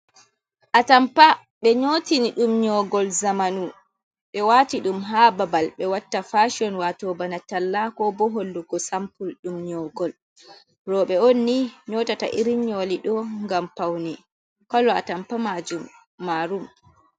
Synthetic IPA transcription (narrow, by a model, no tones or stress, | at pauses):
ʔatampa | ɓɛɲotiniɗumɲɔɡɔlzamanu | ɓɛwaːtiɗumɦaːbabalɓɛwatːafaʃiɔnwatɔbanatalːakɔbɔɦolːuɡɔsampulɗumɲɔɡɔl | rɔɓɛonːiɲɔːtata̰ʔiɾiɲɔliɗɔŋɡampawni | kɔlːɔa̰tampamad͡ʒumː | aɾum